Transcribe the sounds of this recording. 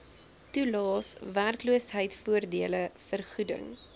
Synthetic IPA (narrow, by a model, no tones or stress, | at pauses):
tulɑːsværkluəsɦəjtfuərdiələfərχudə̰ŋ